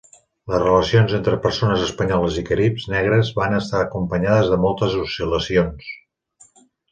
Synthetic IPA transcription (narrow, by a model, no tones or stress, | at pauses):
ləzrələsionzent̪ɾəpəɾsonəzəspəɲɔləzikəɾipznɛɣɾəzβanəst̪aəkumpəɲaðəzðəmɔlˠt̪əzusiləsions